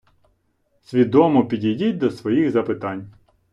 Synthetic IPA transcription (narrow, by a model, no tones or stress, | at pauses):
sʲʋʲid̪ɔmɔpʲidʲidʲitʲd̪ɔsʋɔjixzɐpɪt̪ɑnʲ